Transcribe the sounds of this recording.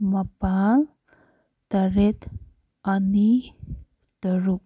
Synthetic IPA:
mabaal | d̪̥aɾet̪ | ani | d̪̥əɾuk̚

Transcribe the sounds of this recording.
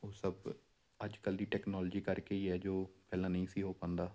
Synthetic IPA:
oːsəb | əd͡ʒkəldiːʈɛːknɔːld͡ʒiːkəɾkeiɦɛːd͡ʒoːpɛːlãːnɐɦĩsiɦoːpãːnd̪aː

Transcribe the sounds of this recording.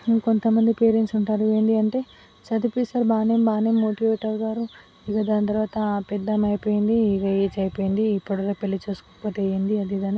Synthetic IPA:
ko̞nt̪ɐmɐnd̪ipe̞ːɾensuɳʈaːɾuʋeːnd̪iɐɳʈe̞ː | sɐt̪ipisɐɾbaːneːmbaːnemːoːʈiʋeːʈːɐɾɡaːɾu | iɡɐd̪aːnt̪ɐɾʋaːt̪ɐpɛd̪ːɐmɐjipoːjind̪iːɡɐjet͡ʃɐjpoːjind̪iːpːuɽɐlɐpelːit͡ʃuːsu̥koɐpoːt̪eːjend̪iɐd̪id̪ɐni

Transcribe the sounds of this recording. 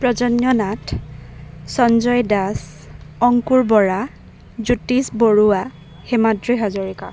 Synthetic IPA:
pɹɔzɔnjɔnatʰ | sɔnzɔjdas | ɔŋkuɹbɔɹa | zutisboɹuwa | xemadɹiɦazɔɹika̰

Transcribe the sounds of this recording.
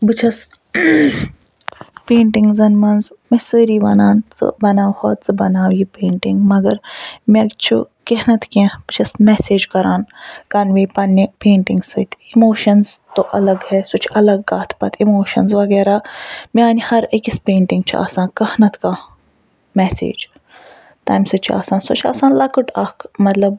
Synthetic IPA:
bɨt͡ʃʰɐs | peːɳʈiŋɡzɐnmɐnz | mesəːɾiːʋɐ̰naːnt͡sɨ̰bɐnaːwhoːt̪t͡sɨbɐnaːwipeːɳʈiŋɡmɐɡɐɾmet͡ʃʰṵ | keɦnɐt̪kẽb̥ɨt͡ʃʰɐsmɛːseːd͡ʒkɐɾaːnkɐnʋeːpɐnːipẽːɳʈiŋɡsɨːt̪ʰimoːʃɐnzt̪oʔɐlɐɡhɛsut͡ʃʰɐlɐɡːaːt̪ʰpɐt̪ʰimoːʃɐ̰nzʋɐɡɛːɾaːmiaːnʲihɐɾikispeːɳʈiŋɡt͡ʃʰua̰ːsãːnkɐhnɐt̪kãː | mɛsḛːd͡ʒ | t̪a̰ːjmsɨt͡ʃʰua̰ːsãːnsut͡ʃʰa̰ːsaːnlɐkəʈɐkmɐt̪lɐb

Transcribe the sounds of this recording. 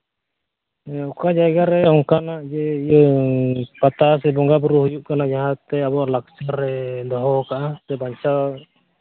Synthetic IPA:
ɔkad͡ʒajɡaɾɛɔŋkanaʔd͡ʒɛij | pat̪as̬ɛbɔŋɡabuɾuhujuʔkanad͡ʒaɦat̪ːɛabɔʔlak̚t͡ʃaɾːɛd̪ɔɦɔkaʔat̪ɛbaɲt͡ʃa

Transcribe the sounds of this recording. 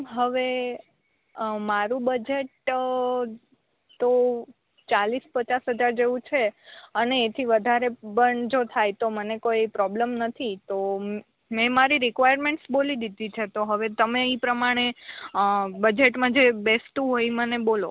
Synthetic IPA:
ɦəʋe | maɾũbəd͡ʒeʈ | t̪o | t͡ʃalispət͡ʃasɦəd͡ʒaɾd͡ʒeʋũt͡ʃʰeəneːt̪ʰiʋəd̪ʱaɾebəɳd͡ʒot̪ʰajt̪omənekoipɾɔbləmnət̪ʰit̪o | mɛ̃maɾiɾikʋajəɾmẽɳʈsbolid̪id̪ʱit͡ʃʰet̪oɦəʋet̪əmeipɾəmaɽ̃e | bəd͡ʒeʈmãd͡ʒebest̪ũɦoimənebolo̰

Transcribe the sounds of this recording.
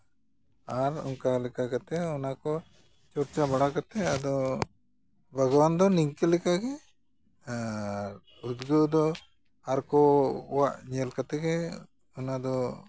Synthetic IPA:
aːɾṵŋkalikaɡɐt̪eunako | t͡ʃuɾt͡ʃabɐɽakɐt̪eɐd̪u | bʱɐɡɐʋand̪ɔniŋkelikaɡe | ud̪ɡud̪u | aɾkoʋaɲelkɐt̪eɡe | unad̪u

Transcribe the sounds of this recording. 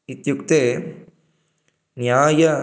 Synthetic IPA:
it̪juk̚t̪eː | njaːjɐ

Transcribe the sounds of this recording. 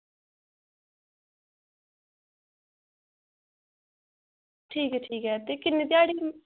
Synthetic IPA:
ʈʰiːkɦɛːʈʰiːkɦɛːt̪eːkɪnːet̪eaːɽiː

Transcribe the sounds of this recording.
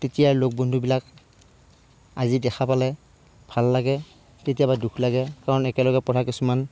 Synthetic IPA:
tetijaɹlok̚bɔndʱubilak̚ | azidɛxʰapalɛ | bʱalːaɡɛ | tetijabadukʰlaɡɛkaɹɔnɛkɛlɔɡɛpɔɾʰʱakisuman

